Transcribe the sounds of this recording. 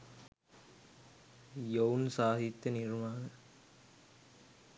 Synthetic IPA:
jownsaːɦit̪ːjənirmaːnə

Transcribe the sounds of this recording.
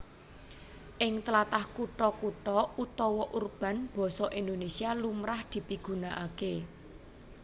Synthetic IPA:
ʔɪŋt̪əlat̪ahkuʈɔkuʈɔut̪ɔwɔʔurb̥ä̤nb̥ɔ̤sɔʔind̪onesialumɾahd̪̥i̤piɡ̥ṳnaʔake

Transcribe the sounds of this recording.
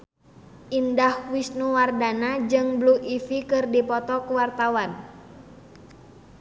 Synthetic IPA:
ʔindahwisnuwardanad͡ʒɨŋbluʔifikɨrdipɔt̪ɔkuwart̪awan

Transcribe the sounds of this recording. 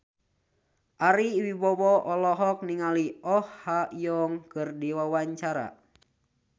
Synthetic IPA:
ʔaɾiwibɔwɔʔɔlɔɦɔk̚niŋaliɔhhajɔŋkɨrdiwawaɲt͡ʃaɾa̰

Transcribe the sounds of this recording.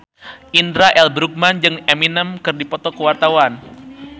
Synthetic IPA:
ʔindɾaʔɛlbɾuk̚mand͡ʒɨŋɛminəmkɨrdipɔt̪ɔkəwart̪awan

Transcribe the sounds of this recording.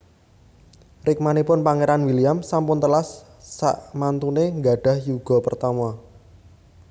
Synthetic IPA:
rɪk̚manipʊnpaŋeɾanwiliamsampʊnt̪əlasː | a̰ʔmant̪uneŋɡa̤ɖ̥ä̤hjuɡ̥ɔ̤pərt̪amɔ

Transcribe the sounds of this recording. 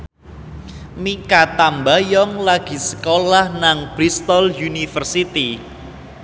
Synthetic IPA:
mikat̪ambajɔŋlaɡ̥i̤sə̥kolahnaŋb̥ɾist̪ɔljunifərsit̪i

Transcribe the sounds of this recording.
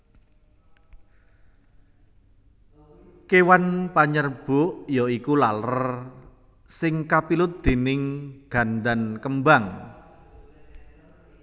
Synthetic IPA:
kewanpaɲərb̥ʊʔjɔikulalər | sɪŋkapilʊt̪̚d̪̥e̤nɪŋɡ̥a̤nd̪ankəmbaŋ

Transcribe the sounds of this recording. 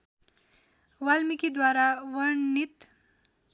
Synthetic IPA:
walmikid̪waɾawʌɾnit̪

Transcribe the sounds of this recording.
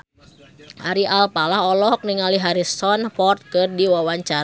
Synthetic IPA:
ʔa̰ɾiʔalpalaɦɔlɔk̚niŋaliɦaɾisɔnpɔrt̪̚kɨrdiwawaɲt͡ʃa

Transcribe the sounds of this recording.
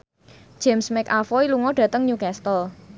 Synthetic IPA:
ʒ̥ɛmsmɛkafɔiluŋɔɖ̥ä̤t̪əŋɲukɛst̪ɔl

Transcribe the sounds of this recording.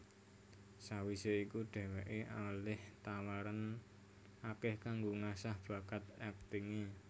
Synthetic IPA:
sawiseikuɖ̪̥ɛ̤wɛʔeʔalɪht̪awaɾan | akɪhkaŋɡoŋasahb̥a̤kat̪ɛk̚t̪iŋi

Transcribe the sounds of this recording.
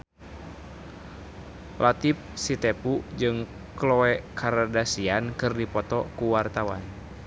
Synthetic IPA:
lʔat̪ip̚sit̪ɛpud͡ʒɨŋ | klɔɛkʰaɾadasiankɨrdipɔt̪ɔkuwart̪awan

